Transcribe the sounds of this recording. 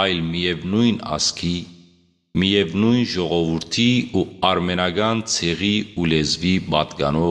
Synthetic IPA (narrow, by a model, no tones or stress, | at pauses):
ɑjlmijɛvnujnɑ̰skʰi | mijɛvnujnʒɔʁɔvuɾt̪ʰiuɑɾmɛnɑɡɑnt͡sʰɛʁiulɛzvibɑt̪ɡɑ̰nɔ